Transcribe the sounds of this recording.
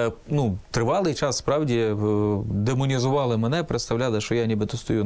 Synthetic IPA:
nut̪ɾɪʋɑlˠɪjt͡ʃɑsspɾɑwdʲi | d̪emʊnʲizʊʋɑlˠɪmenɛpɾet̪st̪ɐʋwlʲalˠɪʃt͡ʃɔjanʲibɨt̪ɔst̪ɔju

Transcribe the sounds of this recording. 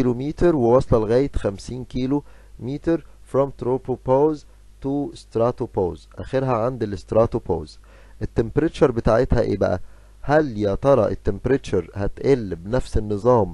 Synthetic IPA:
ilomiːt̪ɑɾˤwewɑsˤlɑlɣæːjet̪xæmsiːnkiːlo | miːt̪ɑɾfɾɔmt̪ɾoːpopoːz | t̪ust̪ɾɑt̪opoːzʔæxeɾɦæʕand̪elest̪ɾɑːt̪opo̰ːz | ʔet̪ːempeɾet͡ʃuɾˤbet̪aːʕet̪hæʔḛːbæ̰ʔæ̰ | hælːjæt̪ɑɾˤɑʔet̪ːempɾet̪uɾˤhæt̪ʔelːbnæfsenːɨzˤɑːm

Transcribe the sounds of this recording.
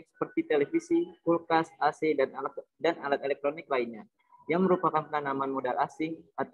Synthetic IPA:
k̚sə̥pərt̪it̪elefisikulkasasedanaladanalat̪̚elɛk̚t̪ɾonɪklainɲa | jaŋməɾupakanpənanamanmodalasɪŋat̪

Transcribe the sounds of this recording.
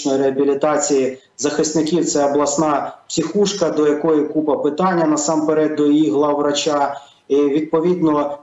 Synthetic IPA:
nɔjiɾeɐbʲilʲit̪ɑt͡sʲiji | zɐxɪsʲnɪkʲiwt̪sɛɐblˠɐsnɑpsʲixuʃkɐd̪ɔjɐkɔjikupɐpɪt̪ɑnʲːɐnɐsɑmpeɾɛd̪̚d̪ɔjiɦlˠɐwrɐt͡ʃa | iʋʲid̪̚pɔʋʲid̪nɔ

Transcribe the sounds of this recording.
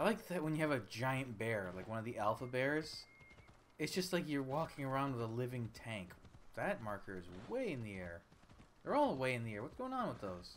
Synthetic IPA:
aɪlaɪk̚ðɨt̚wɨ̃njɨːvɨd͡ʒaɪɨ̃nb̥ɛɹlaɪkwʌ̃nʌvðiʔælˠfəbɛɹz̥ | ɨtzd̥ʒ̥ʌstˡlaɪk̬jə˞wɔkɪ̃ŋə˞ãʊ̃ndwəðəlɪvɪ̃ŋtʰæ̃ŋkðɨt̚mɑɹkʰə˞ɨzweɪɨ̃nðiɛɹ | ðə˞ɔlˠəweɪɨ̃nðiɛɹwʌtsɡ̥oʊɪ̃ŋə̃nwəðoʊz̥

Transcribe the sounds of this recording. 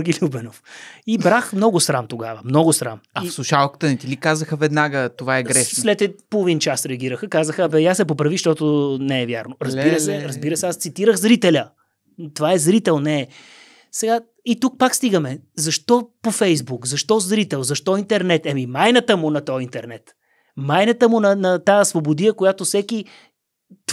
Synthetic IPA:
ɾɡʲilʲubɛnofibɾaxmnɔɡʊsɾamt̪oɡavəmnɔɡʊsɾa̰mɐifslˠuʃalˠkə̥t̪ənɛt̪ilikazəxəvɛd̪naɡət̪ovaɛɡɾɛʃnslɛt̪ɛpolˠovint͡ʃasɾɛɐɡ̟iɾəxəkazəxəbɛjasɛp̬opɾɐviʃt̪ɔt̪ʊnɛɛvja̰ɾnʊɾəzbiɾəsɛɾɐzbiɾəsɛast̪sit̪iɾəxzɾit̪ɛlʲə | t̪ovaɛzɾit̪ɛlˠnɛ | sɛɡa | it̪uk̚pakst̪iɡəmɛzɐʃt̪ɔpofɛjzbukzɐʃt̪ɔzɾit̪ɛlˠzɐʃt̪ɔint̪ɛɾnɛt̪ɛmimajnət̪əmʊnɐt̪ɔint̪ɛɾnɛt̪ | majnət̪əmʊnɐnɐt̪aəsvobod̪ijəkojat̪osɛki | t̪

